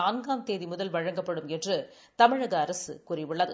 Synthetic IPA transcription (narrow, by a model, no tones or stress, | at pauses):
aːnɡaːmt̪eːðimʊðɐlʋɐɻɐŋɡɐpːɐɽɯmɛndrɯ | t̪ɐmɪɻɐɣɐɐɾɐsɯ̰kʊrɪʋɪɭːaːðɯ